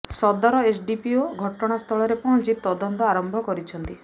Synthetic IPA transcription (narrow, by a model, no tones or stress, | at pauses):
sɔd̪ɔɾɔet͡ʃɖipioɡʱɔʈɔɽ̃ast̪ʰɔɭɔɾepɔɦɔ̃nt͡ʃʰit̪ɔd̪ɔnt̪ɔaɾɔmbʱɔkɔɾit͡ʃʰɔnt̪i